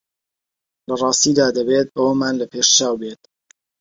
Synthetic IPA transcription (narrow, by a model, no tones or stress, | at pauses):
lɐrˤɑːst̪iːd̪aːd̪ɐbet̪̚bəwamaːnlɐpʰeːʃt͡ʃaːwbeːt̪̚